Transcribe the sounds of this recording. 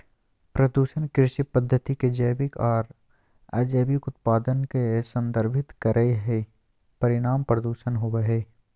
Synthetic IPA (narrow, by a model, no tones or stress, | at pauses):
pɾəd̪uːʃənkɾɪʃipəd̪ʱːət̪iked͡ʒəjbɪkɔːɾ | ɐd͡ʒəːbɪkʊt̪paːd̪ənkesə̃nd̪əɾbʱɪt̪kəɾʔəeɦɛ | pɐɾɪɽ̃aːmpɾəd̪uːʃənɦʊweɦeː